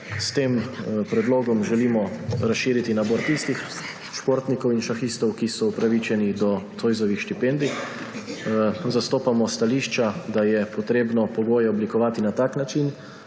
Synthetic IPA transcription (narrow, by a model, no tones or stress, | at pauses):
st̪eːmpɾɛd̪loːɡɔmʒɛliːmɔɾasʃiːɾit̪inaboːɾt̪ist̪ix | ʃpoːɾt̪nikɔwinʃaxist̪ɔwkisɔupɾaʋit͡ʃɛnid̪ɔt̪ojzɔʋixʃt̪ipɛnd̪i | zast̪oːpamɔst̪aliːʃt͡ʃad̪ajɛpɔt̪ɾeːbnɔpɔɡoːjɛɔblikɔʋaːt̪inat̪aːknat͡ʃin